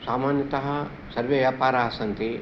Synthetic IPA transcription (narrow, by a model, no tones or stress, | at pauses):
saːmaːnjɐt̪ɐɦɐ̆ | sɐɾʋeʋjaːpaːɾaːsɐnt̪i